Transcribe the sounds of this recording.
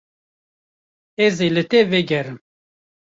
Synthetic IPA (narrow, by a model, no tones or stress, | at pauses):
ɛzelɨt̪ɛvɛɡɛɾɨm